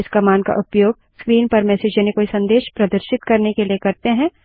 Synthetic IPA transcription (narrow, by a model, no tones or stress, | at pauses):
ɪskɐmaːnka̰ʔʊpjoːɡ̚ | skɾiːnpɐɾmɛːsɪd͡ʒənekoːisɐ̃nd̪eːʃpɾɐd̪əɾʃɪt̪kɐɾnekeliekɐɾt̪eɦɛ̃ː